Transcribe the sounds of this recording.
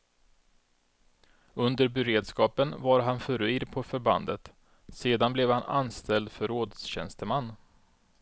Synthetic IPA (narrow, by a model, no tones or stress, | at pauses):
ɵnd̪əɾbɛɾeːd̪skɑːpənvaɾɦanfœɾɵiːɾpʰɔfœɾba̰nd̪ət̪ | seːd̪anblɛvhana̰nst̪ɛld̪fœɾːoːd̪sɕɛ̰nst̪əmanː